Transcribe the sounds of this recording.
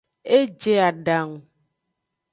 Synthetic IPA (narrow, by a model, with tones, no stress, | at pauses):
e˦d͡ʒe˦a˨ɖa˨ŋ˨